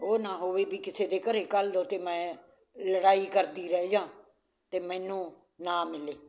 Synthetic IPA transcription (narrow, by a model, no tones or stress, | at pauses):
ɦoːnaːɦoːʋeːbiːkɪseːd̪eːkəɾeːkəld̪oːt̪eːmɛ̃ː | ləɽaːiːkəɾd̪iːɾɛed͡ʒãː | t̪eːmɛ̃ːnũː | naːmɪleː